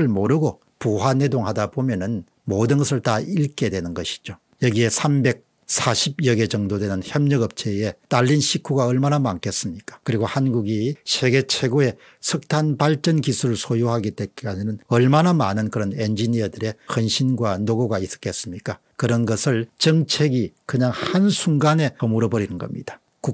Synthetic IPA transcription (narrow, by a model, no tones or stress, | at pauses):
ɯɭmoɾɯɡo | puɦwane̞doŋhadabomjʌnɯn | modɯnɡʌsʰɯɭtaiɭk͈e̞dwe̞nɯnɡʌɕʰi̥d͡ʑo | jʌɡie̞sʰambe̞k̚ | sʰaɕʰib̚jʌɡe̞d͡ʑʌŋdodwe̞nɯnçjʌmɲʌɡʌp̚t͡ɕʰee̞taʎːinɕʰikʰuɡaʌɭmanamaŋk͈es͈ɯmɲik͈ḁkɯɾiɡohanɡuɡisʰe̞ɡe̞t͡ɕʰe̞ɡoe̞ | sʰɯk̚tʰanpaɭt͡ɕʌnkisʰuɾɯɭsʰojohaɡiteaɲinɯnʌɭmanamanɯnkɯɾʌnend͡ʑiniʌdɯɾe̞hʌnɕʰinɡwanoɡoɡais͈ʌ̥k͈e̞s͈ɯmɲik͈a | kɯɾʌnɡʌsʰɯɭt͡ɕʌŋt͡ɕʰe̞ɡikɯɲaŋhansʰuŋɡane̞ʌmuɾʌbʌɾinɯnɡʌmɲḭd̥ḁ | ku